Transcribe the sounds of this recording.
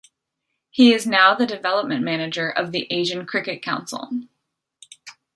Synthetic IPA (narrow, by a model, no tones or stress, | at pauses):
hiɪznaʊðɨdɨvɛlˠəp̚mɨ̃nmænɨd͡ʒə˞ʔʌvðiʔeɪʒɨ̃nkʰɹ̥ɪkɨt̚kʰãʊ̃nsl̩ˠ